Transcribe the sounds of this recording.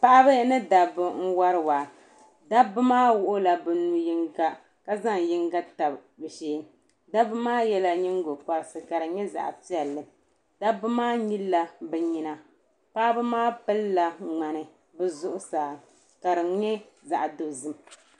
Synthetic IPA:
pa˦ʔa˦bɨ˦nɨ˦da˨bɨ˨ŋ̩˦wa˦ɾɨ˦waː˨ | da˦bɨ˦maː˦wʊ˦ʔʊ˦la˨bɨ˨nu˨ji˦ŋɡa˦ | ka˦za˦ŋji˦ŋɡa˦ta˨bbɨ˨ʃeː˦ | da˦bɨ˦maː˦jɛ˦la˦ɲi˦ŋ˦ɡo˨ka˨ɾsɨ˨ka˨ɾɨ˨ɲɛ˦za̰˨ʔpi˦ɛ˨lːɨ˨ | da˦bːɨ˦maː˦ɲi˦lːa˦bɛ˨ɲi˦na˨ | paː˦bɨ˦maː˦pɨ˦lla˦ŋ͡ma˨nɨ˨ | bɨ˦zʊ˦ʔʊ˦saː˨ | ka˨ɾɨ˨˦ɲɛ˦ | za˨ʔa˨do˨zɨ˨m

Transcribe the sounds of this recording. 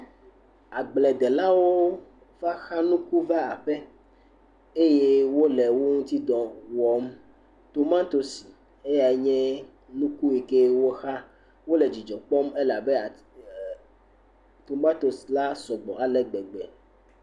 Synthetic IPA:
a˨ɡ͡blɛ˨d̪ɛ˨la˦wo˦ | va˦xa˦nũ˦ku˦va˦a˨ɸɛ˦ | e˦je˦wo˦lɛ˨wo˦ŋũ˦t̪i˦d̪ɔ̃˨wɔ˨m | t̪o˨mã˦t̪o˦si˨ | e˦ja˨e˦ɲɛ̃˦ | nũ˦ku˦e˨ke˦wo˦xa˦ | wo˦le˨d͡ʒi˨d͡ʒɔ˨k͡pɔ˦me˦la˨bɛ˦a˨ | t̪o˨mã˦t̪o˨sla˦sɔ˨ɡ͡bɔ̰˨a˨lɛ˨ɡ͡bɛ˨ɡ͡bɛ˨

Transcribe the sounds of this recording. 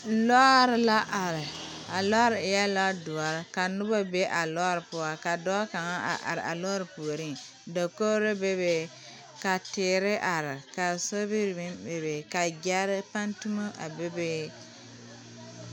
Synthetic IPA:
lɔ˦ɾɪ˨la˦ʔa˨ɾɪ˨ | a˨lɔ˦ɾɪ˨ɪ˨jɛ˦la˦dʊ˨a˨ɾɪ˨ka˨nʊ˦ba˦be˦ʔa˨lɔ˦ɾɨ˨pʊ˦a˨ka˨dɔ˦ka˨ŋa˦ʔa̰˨ʔa̰˨ɾɪ˨ʔa̰˨lɔ˦ɾɨ˨pu˨o˨ɾi˦˨ | da˨ko˦ɾe˦be˦be˨ | ka˨tɪː˨ɾɪ˦ʔa˨ɾɪ˨ka˨so˦bi˦ɾbi˦be˨be˨ka˨ɡa˦ɾɪ˦pa˦ntu˦ma˦ʔa̰˨be˦be˦

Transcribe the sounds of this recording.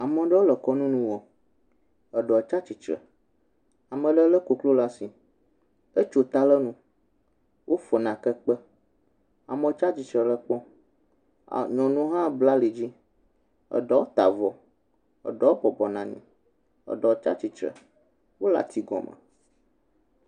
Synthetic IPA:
a˨mə̃˨ɖə˦wo˦lə˨kɔ˦nũ˦nũ˦wɔ˨ | ə˨ɖɔ˨t͡ʃa˦t͡ʃi˨t͡ʃɾə̰˨ | a˨mə̃˨ɖə˦lə˦ko˨klo˦la˦si˨ | ə˦t͡ʃo˨t̪a˦lə˦nũ˦ | wʔo˦fɔ˨nã˨kə˦k͡pə˦ | a̰˨mə̃˨˦t͡ʃa˦t͡ʃi˨t͡ʃɾə˨lə˦k͡pɔ̃˦˨ | ɲɔ̃˨nũ˦ɦã˦bla˦li˨d͡ʑi˦ | ə̰˨ɖɔ˦wo˦t̪a̰˨vɔ˨ | ə̰˨ɖɔ˨˦o˦bɔ˨bɔ˨nã˨ɲḭ̃˨ | ə̰˨ɖɔ˨t͡ʃa̰˦t͡ʃi˨t͡ʃɾə̰˨ | wo˦la̰˨t̪ʰi˨ɡɔ̰˨mə̰̃˨

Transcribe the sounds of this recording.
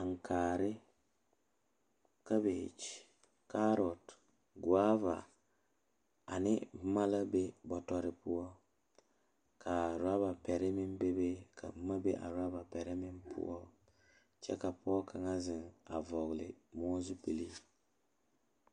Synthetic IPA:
a˨ŋ˨kʰaː˨ɾɪ˦ | ka˦be˨t͡ʃ | ka˦ɾɔ˨t | ɡwa˦va̰˨ | a˨nɪ˦b̩˦ma˦la˦be˦bɔ˨tɔ˨ɾɪ˨pʊ˦ɔ˦ | kʰa˨ɾa˦ba˨pɛ˨ɾɪ˦mɪ˦mbe˦be˦ka̰˨b̩˦ma˦be˦ʔa̰˨ɾa˦ba˨pɛ˨ɾɪ˦mɪ˦mpʰʊ̰˦ɔ˦ | t͡ʃɛ̰˦ka˨pɔ˦kʰa˨ŋa˦zɪ˨ŋa˨vɔ˨ɣlɪ̰˨mɔ˦zu˦pi˨li˦

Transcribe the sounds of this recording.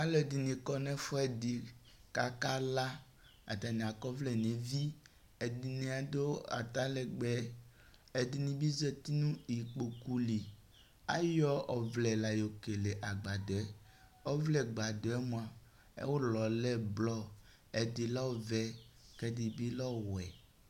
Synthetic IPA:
a˦lɛ˨d̪i˨nĩ˨kɔ˦nɛ̃˦fɔ˦ɛ˨di˨ka˨ka˦la˦ | a̰˨t̪a˨nĩ˨a˨kɔ˦vlɛ˨nẽ˨vi˦ | e˨di˨nĩ˨a˨d̪o˦a̰˨t̪a˦lɛ˨ɡ͡bɛ˨ | e˨d̪i˨nĩ˨bi˦zɛ˦t̪i˦nũ˦i˨k͡po˨ku˦li˨ | a̰˦jɔ˦ɔ˨vlɛ˨la˨jo˨ke˨le˨ʔa˨ɡ͡ba˨do˨ɛ˦ | ɔ˦vlɛ˦ɡ͡ba˨d̪o˨ɛ˦mõ˨ã˨ | ḛ˦wo˦lɔ˨lɛ˦blɔ˦ | e˨di˨lɔ˦vɛ˦kɛ˦di˨bi˦lɔ˦wɛ˨

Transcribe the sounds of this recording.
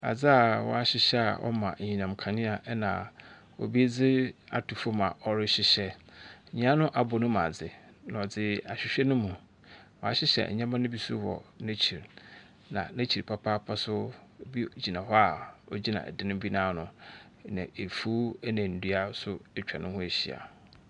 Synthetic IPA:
a̰˨d͡zɪ˦a˨wɔ̰˨˦a˦ɕɪ˦ɕɛ˦a̰˨ʔɔ̰˦mã̰˨ɲĩ˨nã˨mkʰã˨nɪ̃˦a˨ʔnã̰˨ | ɔ̰˨bi˦d͡zɪ˦a̰˨tʰu˨fʊ˦mã̰˨ʔɔ˦˨ɾɪ˦ɕɪ˦ɕɛ˦˨ɲ˦ã˦nʊ̃˦ʔa˨bɔ˨nʊ̃˦mã̰˨d͡zɪ˨ | ñ˨ɔ˨d͡zɪ˦a˨ɕᶣɪ˨ɕᶣɛ˦nʊ̃˦mũ˨ | wɔ˨a̰˨ɕɪ˦ɕɛ̰˨ɲã˦mã˦nʊ̃˦bi˦sṵ˦wɔ̰˨næ˦t͡ɕʰi˨ɾ | nã̰˨næ̃˦t͡ɕʰi˨pʰa˦pʰaː˦pʰa˦sʊ˦˨bi˦d͡ʑi˨nã˨ɦɔ˦a˨ɔ˦d͡ʑi˦nã̰˨ʔɛ̰˨dɪ˦nɪ̃˦bi˦nãː˦˨nʊ̃˨ | nã̰˨e˨fu˦ɛ˦nã˨n̩˨du˦a˦sʊ˦ɛ˦t͡ɕᶣa˨nʔʊ̃˦hɔ˦e˨ɕi˨a̰˨

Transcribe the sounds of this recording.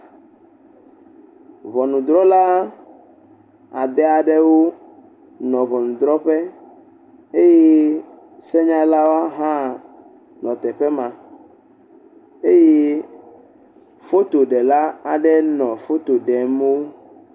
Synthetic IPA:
vɔ˨nũ˨d̪ɾɔ˦la˦ | a˨d̪ɛ˦a˨ɖɛ˦wo˦ | nɔ̃˨vɔ˨nũ˨d̪ɾɔ˦ɸɛ˦ | e˦je˦ | sɛ˦ɲã˦la˦wo˦a˦ɦã˦ | nɔ̃˨t̪ɛ˨ɸɛ˦mã˨ | e˦je˦ | fo˦t̪o˨ɖɛ˨la˦a˨ɖɛ˦nɔ̃˨fo˦t̪o˨ɖɛ˨m˦wo˦

